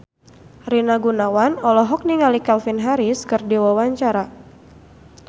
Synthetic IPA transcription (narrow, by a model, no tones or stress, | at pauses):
rinaɡunawanɔlɔɦɔk̚niŋalikalfinɦaɾiskɨrdiwawaɲt͡ʃaɾa